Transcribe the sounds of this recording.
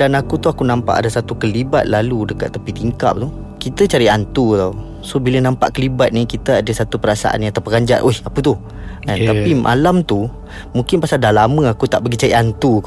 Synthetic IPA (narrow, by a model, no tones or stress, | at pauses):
danakut̪uakunãmpa̰ʔa̰dasat̪ukəliba̰t̪̚laludəka̰t̪ːəpit̪iŋka̰p̚t̪u | kit̪ət͡ʃaɾiʔant̪ut̪a | sobilənãmpa̰ʔkəlibat̪̚nikit̪əadəsat̪upəɾasa̰ʔa̰njãŋat̪apəɡaɲd͡ʒaʔ̪ʔoihapət̪u | ant̪apimʔa̰lamt̪u | mũŋkɪnpasaldalamə̃akut̪aʔbəɡit͡ʃaɾiʔant̪u